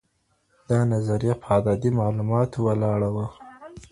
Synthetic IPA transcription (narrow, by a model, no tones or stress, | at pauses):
d̪̥ɑnazaɾijapʰɑd̪ɑd̪imɑlumɑt̪owəlɑɽawə